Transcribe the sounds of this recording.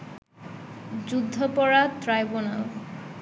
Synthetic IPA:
d͡ʑud̪ʱːopɔɽat̪ɾajbonaw

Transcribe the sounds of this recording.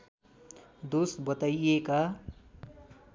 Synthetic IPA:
d̪osbʌt̪aieka

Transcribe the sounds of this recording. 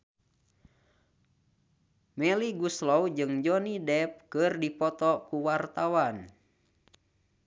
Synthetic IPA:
mɛliɡuslɔwd͡ʒɨŋd͡ʒɔnidɛp̚kɨrdipɔt̪ɔkuwart̪awan

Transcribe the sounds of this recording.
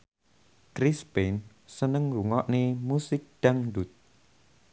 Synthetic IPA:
kɾispen | sənəŋɾuŋɔʔnemusɪk̚ɖ̪̥aŋdut̪̚

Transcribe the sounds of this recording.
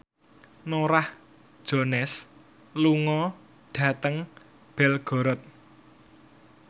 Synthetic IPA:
noɾah | d̥ʒ̥o̤nɛs | luŋɔ | ɖ̥ä̤t̪əŋ | b̥ɛlɡ̥ɔ̤ɾɔt̪̚

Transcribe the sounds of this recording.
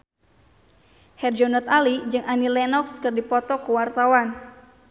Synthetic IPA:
hɛrd͡ʒɔnɔt̪alid͡ʒɨŋanilɛnɔkskɨrdipɔt̪ɔkəwart̪awan

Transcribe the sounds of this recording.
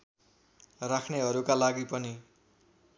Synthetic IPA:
rakʰneɦʌɾukalaɡipʌni

